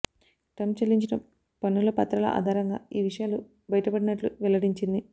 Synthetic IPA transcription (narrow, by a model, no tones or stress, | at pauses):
ʈɐmt͡ʃɐlːiɲt͡ʃinɐ | pɐnːulɐpɐt̪ɾɐlɐ̰ʔa̰ːd̪ʱaːɾɐŋɡa̰ːiːʋiʂɐjaːlu | bɐjɐʈɐpɐɽinɐʈluʋɛlɐɽiɲt͡ʃind̪i